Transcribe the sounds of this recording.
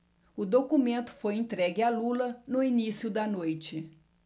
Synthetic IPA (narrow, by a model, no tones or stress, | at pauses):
ʊd̪okumẽnt̪ʊ̥fojẽnt̪ɾɛɡɪalulɐnʊinisiʊd̪ɐnojt͡ʃɪ